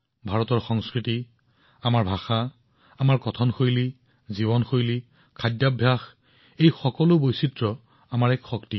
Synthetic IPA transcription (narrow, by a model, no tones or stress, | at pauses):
bʱaɹɔtɔɹxɔŋskɹiti | amaɹbʱaxa | amaɹkɔtʰɔnxojli | ziβɔnxojli | kʰadjabʱjax | ejxɔkɔlʊbojsitɹɔ | amaɹɛkxɔkti